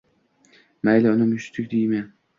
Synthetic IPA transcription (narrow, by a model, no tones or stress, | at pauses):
majlaʊnɪmʊʃt̪ʰɪkʲd̪ijman